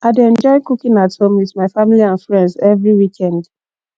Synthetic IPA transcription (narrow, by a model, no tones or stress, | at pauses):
adɛ̃nd͡ʒɔɪkukĩnathõmwitmaɪfamiliãnfɹɛ̃ndzɛvɹiwikʰɛ̃nd